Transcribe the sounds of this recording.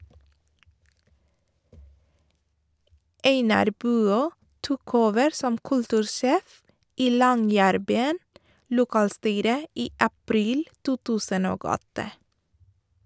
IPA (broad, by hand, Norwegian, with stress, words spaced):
ˈeɪnɑɾ ˈbʉːˌøː ˈtuːk ˈoːʋəɾ ˈsɔm ˈkʉltʉːɾˌʃeːf ˈiː ˈlɔŋˌjæːɾˌbyːən lʊˈkɑːlˌstyːɾə ˈiː ɑˈpɾiːl ˈtuː ˈtʉːsən ˈoːɡ ˈɔtə